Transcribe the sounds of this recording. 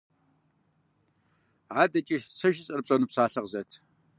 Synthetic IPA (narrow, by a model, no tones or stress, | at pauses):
ʕaːdɐt͡ʃʼiʃsɐʒɪt͡sʼɐrpɕʼɐnupsaːɬɐʁzɐtʰ